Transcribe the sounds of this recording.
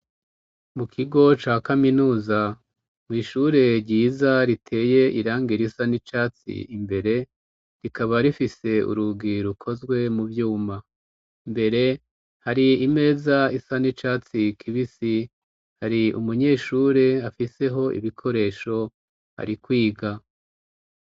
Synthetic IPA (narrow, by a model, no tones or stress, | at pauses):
mukʰiɡo̞t͡ʃaːkaminuːza | mwiːʃuɾe̞ɾɟiːzaɾitʰe̞ːje̞ʔiɾaːŋɡiɾisanit͡ʃaːt͡sḭimbe̞ɾe̞ | ɾikaβaɾifise̞ṵɾuɡiɾukʰo̞zɡwe̞muvjuːma | mbe̞ɾe̞ | haɾiːme̞ːzaisanit͡ʃaːt͡sikʰiβisi | haɾiumuɲe̞ːʃuːɾe̞afise̞ɦo̞ʔḭβikʰo̞ɾe̞ːʃo̞ | ha̰ɾikwiːɡa